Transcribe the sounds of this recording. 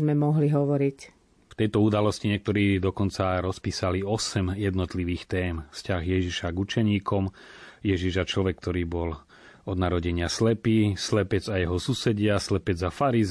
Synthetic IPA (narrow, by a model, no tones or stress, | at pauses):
mɛmɔɦliɦɔʋɔɾic | ft̪ɛjt̪ɔud̪alɔsciɲɪɛkt̪ɔɾiːd̪ɔkɔnt͡saɾɔspiːsaliɔsɛmjɛd̪nɔt̪liʋiːxt̪ɛːmfscaɣjɛʒiʃaɡut͡ʃɛɲiːkɔmjɛʒiʒat͡ʃlɔʋɛkːt̪ɔɾiːbɔl | ɔd̪naɾɔɟɛɲɪaslɛpiːslɛpɛd͡zajɛɦɔsusɛɟɪaslɛpɛd͡zafaɾiz